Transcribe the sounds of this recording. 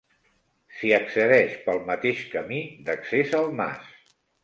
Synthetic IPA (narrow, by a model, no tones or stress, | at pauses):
siəksəðɛʃpəlˠmət̪eʃkəmid̪əksezəlˠma̰s